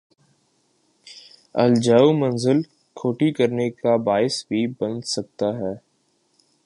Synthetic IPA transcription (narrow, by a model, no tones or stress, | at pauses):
ɐ̰ld͡ʒaːumɐ̃nzɪl | kʰoːʈikɐɾnekabaːɪsbʱibɐ̃nd̪sɐk̚t̪aɦɛː